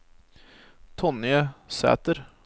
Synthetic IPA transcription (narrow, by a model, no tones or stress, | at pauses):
t̪ʰɔnjəsæ̰ːt̪əɾ